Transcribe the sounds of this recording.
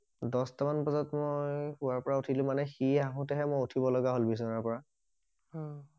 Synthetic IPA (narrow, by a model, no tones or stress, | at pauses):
dɔstamanpazɔtmojxuwaɹpɔɹautʰilʊ̃manɛxiaɦʊ̃tɛɦɛmojutʰibɔlɔɡaɦolbis̬ɔnaɹpɔɹa